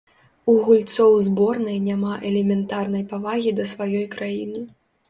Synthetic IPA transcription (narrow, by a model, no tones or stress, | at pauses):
uɣulʲt̪sɔwzbɔrnɐjnʲamaʔɛlʲɛmʲɛnt̪arnɐjpavaɣʲid̪ɐsvajɔjkɾajinɨ